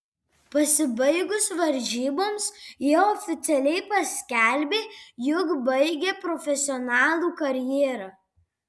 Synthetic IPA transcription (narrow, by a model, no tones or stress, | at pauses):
pɐsʲɪbɐɪɡʊsʋɐɾʲʒʲiːboːmsjiɔfʲɪt̪sʲɛlʲɛɪpɐsʲkʲæˑlʲbʲeːjʊkbɐɪɡʲeːpɾɔfʲɛsʲɪɔnɑːlˠuːkɐɾʲjeːɾɑː